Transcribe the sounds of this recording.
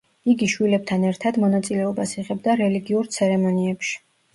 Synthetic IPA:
iɡiʃwilɛb̚t̪ʰanɛɾt̪ʰad̪mɔnat̪sʼilɛɔbasiʁɛbd̪aɾɛliɡiuɾt̪sʰɛɾɛmɔniɛpʃi̥

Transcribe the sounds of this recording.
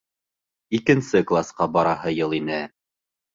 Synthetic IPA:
ikɘ̆nsɘklˠasqɑbɑɾɑɦɤjɤlˠinɘ

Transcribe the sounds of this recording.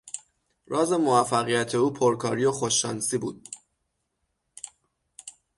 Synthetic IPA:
ɾɒːze̞moæfæɣijæt̪ʰe̞uːpʰoɾkʰɒːɾijoxoʃːɒːnsiːbṵːd̪̥

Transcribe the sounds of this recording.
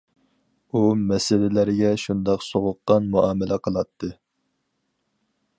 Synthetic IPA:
umɛsɪlɪlɪɾɪɡʲɛʃund̪ɑqsoʁʊqːɑnmuɑːmɪlɛqʰəlˠɑt̪ʰːɨ

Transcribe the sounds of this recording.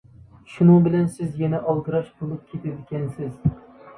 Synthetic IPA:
ʃʊnʊŋbɪlansɪzjanaʔɒlˠɡɨɾɑʃbolˠɪp̚kʲʰet̪ʰɪkʲansɪz

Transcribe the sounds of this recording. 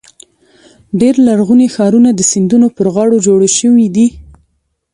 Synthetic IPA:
ɖeɾlaɾɣunexɑɾunad̪əsɪnd̪unopəɾɣɑɽod͡ʒoɽaʃəwid̪i

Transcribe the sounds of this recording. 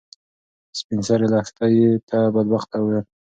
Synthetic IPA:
spinsaɾelɑxt̪ajet̪ʰabad̪̚baxt̪awe

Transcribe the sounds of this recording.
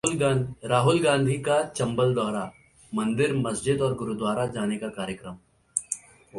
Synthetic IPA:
ɾaːɦʊlɡãːnd̪ʱikat͡ʃɐ̃mbəld̪ɔːɾa | mɐ̃nd̪ɪɾmɐsd͡ʒɪd̪ɔːɾɡʊɾud̪waːɾad͡ʒaːnekakaːɾjəkɾəm

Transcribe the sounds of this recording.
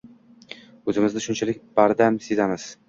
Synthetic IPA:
ɵzɪmɪzd̪aʃʊnt͡ʃʰalɪk̚ʲbaɾd̪amsezamɪz̥

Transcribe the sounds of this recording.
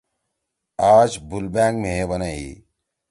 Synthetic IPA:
aːd͡ʒbʊlbɛ̃ːŋɡmẽbənaḭ

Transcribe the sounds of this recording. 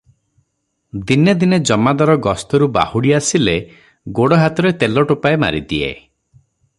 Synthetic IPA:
d̪injɔd̪ined͡ʒɔmad̪ɔɾɔɡɔst̪ɔɾuba̰huɽiasile | ɡoɽɔɦat̪ɔɾet̪elɔʈupaema̰ɾḭt̪iḛ

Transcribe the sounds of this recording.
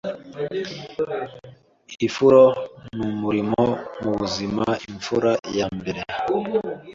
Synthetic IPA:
ifuɾonumuɾimomuβuzimaiɱfuɾajambiɾe

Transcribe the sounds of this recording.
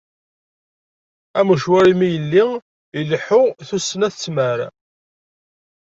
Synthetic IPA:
æməʃwæɾimijəlːi | ilħʊθusːənæθt͡sːməɾ

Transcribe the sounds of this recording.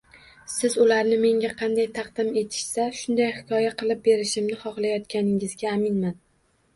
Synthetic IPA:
sɪzʊlaɾnɪme̞ŋɡʲaqʰɑnd̪ajt̪ʰɑqd̪̥ɪme̞t̪ʰɪ̥ʃsaʃʊnd̪ajhɪkʲʰɒjaqʰɨlˠɪp̚be̞ɾɪʃɪmnɪχɒχlˠajɒt̪kʲanɪŋɪzɡʲaːmɪnman

